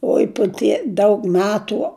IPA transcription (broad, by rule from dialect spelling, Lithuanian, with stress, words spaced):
ˈoːɪ pʊ ˈtʲiɛ ˈdɐʊk ˈmʲæːtʊ